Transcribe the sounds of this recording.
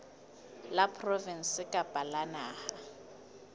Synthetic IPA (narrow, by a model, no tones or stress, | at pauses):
lapʰʼrɔvɛn̩sɪkʼapʼalanaːha